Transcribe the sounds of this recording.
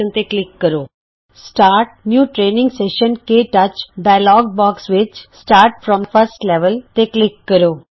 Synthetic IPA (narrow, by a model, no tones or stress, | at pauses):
ənt̪eklɪkːəɾoː | sʈaːɾʈ̚njuːʈɾeːnɪ̃ŋɡseːʃənkeʈɐt͡ʃɖaɪlɔːɡ̚bɔːksʋɪt͡ʃsʈaːɾʈfɾɔ̃ːmfɐɾsʈleʋəlt̪eklɪkːəɾoː